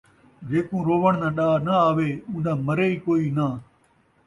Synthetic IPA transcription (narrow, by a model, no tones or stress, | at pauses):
d͡ʒeːkũːɾoːʋəɳ̃nãːɗaːnəaːʋeːũːd̪ãːməɾeːiːkoːiːnaː